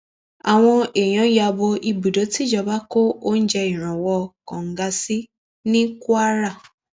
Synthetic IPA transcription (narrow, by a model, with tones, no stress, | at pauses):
a˨w̃ɔ̃˧e˨j̃ã˨˦ja˧bo˧ʔi˧bu˨do˨˦ti˦d͡ʒɔ˧ba˦ko˦o˦n̩˦d͡ʒɛ˧i˨ɾ̃ɔ̃˨wɔ˧kɔ̃˨ŋ̩˨˦ɡa˧si˦ | nĩ˦ku˦a˦ɾa˦˨